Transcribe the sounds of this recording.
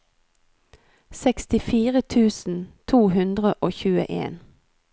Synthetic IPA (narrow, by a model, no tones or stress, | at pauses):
sɛkst̪ɪfiːʁət̪ʰʉːsn̩t̪ʰuːhʉnd̪ʁəʔoːçʉːə̰ʔḛːn